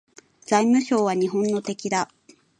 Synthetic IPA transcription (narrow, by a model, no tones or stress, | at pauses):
d͡zaimɯ̟ɕo̞ːβ̞aɲ̟iɦõ̞nːo̞t̪e̞kʲid̪a